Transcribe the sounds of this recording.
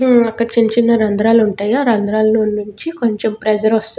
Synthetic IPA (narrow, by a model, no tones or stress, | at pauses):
ɐkːɐɽɐt͡ʃiɲt͡ʃinːɐɾɐnd̪ɾaːluɳʈaːjaːɾɐnd̪ɾaːlɐnonːuɲt͡ʃiko̞ɲt͡ʃempɾɛd͡ʒɐɾɔst̪ː